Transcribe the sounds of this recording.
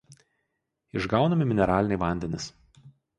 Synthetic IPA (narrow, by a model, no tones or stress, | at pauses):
ɪʒɡɑʊnɐmʲɪmʲɪnʲɛɾɑːlʲɪnʲɛɪʋɐˑnʲd̪ʲɛnʲɪs